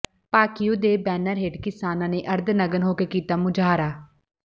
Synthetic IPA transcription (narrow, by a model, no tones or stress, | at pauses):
paːkijoːd̪eːbɛːnəɾɦɪɖkɪsaːnãːneːʔəɾd̪nəɡənɦoːkeːkiːt̪aːmʊd͡ʒaːɾaː